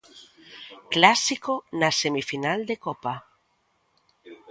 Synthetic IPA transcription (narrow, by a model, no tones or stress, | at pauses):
klasikonasemifinald̪ekɔpa